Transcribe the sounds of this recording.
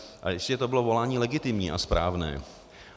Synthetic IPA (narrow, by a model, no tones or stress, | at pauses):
ʔa̰jɛʃcɛt̪obɪlovo̞laːɲiːlɛɡɪt̪ɪmɲḭːʔaspɾʔaːvnɛ̰ː